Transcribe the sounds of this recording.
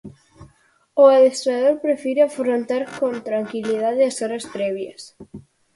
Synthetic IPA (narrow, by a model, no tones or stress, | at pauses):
oaðest̪ɾað̞oɾpɾefiɾeafɾont̪aɾkont̪ɾaŋkilið̞aðeasoɾaspɾeβjas